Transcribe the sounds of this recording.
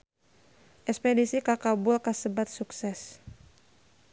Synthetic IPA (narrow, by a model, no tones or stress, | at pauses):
ʔɛspɛdisikakabʊlkasəbat̪̚suksɛs